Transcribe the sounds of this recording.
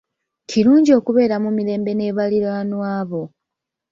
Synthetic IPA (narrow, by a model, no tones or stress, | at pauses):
cʰiɾuːɲɟio̞ːkuβe̞ːɾamumiɾe̞ːmbe̞ne̞ːβaliɾaːnwaːβo̞